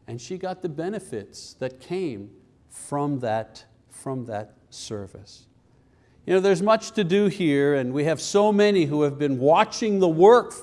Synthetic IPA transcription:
ɨ̃nʃiɡɑt̪̚ðɨbɛnɨfɪtsðɨt̚kʰẽɪ̃m | fɹʌ̃mðɨt | fɹʌ̃mðɨt̚sɜ̰˞vɨ̰s | jɨnoʊðə˞zmʌt͡ʃtʰɨdɨhiɹɨ̃nwiɨv̥soʊmɛniɦuɨvbɨ̃nwɑt͡ʃɪ̃ŋðəwɜ˞k

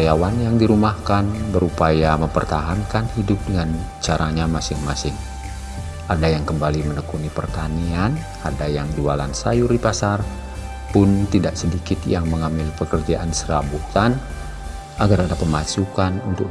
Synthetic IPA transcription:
jawanjaŋdiɾumahkanbəɾupajaməmpərt̪aɦankanhidʊp̚dəŋan | t͡ʃaɾaɲamasɪŋmasɪŋ | ʔadajaŋkəmbalimənəkunipərt̪anian | adajaŋd͡ʒuwalansajuripasar | pʊnt̪idaʔsədikɪt̪jaŋməŋambɪlpəkərd͡ʒaʔansəɾa̰but̪an | aɡaradapəmasukanunt̪ʊk

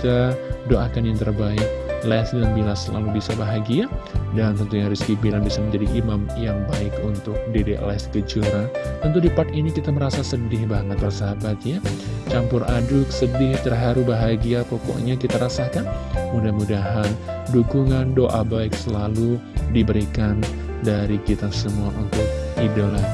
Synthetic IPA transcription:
it̪adoakanjaŋt̪ərbaɪk̚lɛsdalambilasəla̰lubisabaɦaɡiadant̪ənt̪uɲaɾiskibilaŋbisaməɲd͡ʒadiʔimamjaŋbaɪkunt̪ʊk̚dedḛʔlɛskəd͡ʒuɾat̪ənt̪̬udipat̪inikit̪aməɾasasədɪhbaŋət̪̚bərsabat̪jat͡ʃampʊradʊksədɪht̪ərɦaɾubaɦaɡiapokɔ̰ʔɲakit̪aɾasakanudahmudaɦanduɡuŋandoʔabaɪk̚səlaludibəɾikan | daɾikit̪asəmuaʔunt̪ʊk̚idəla

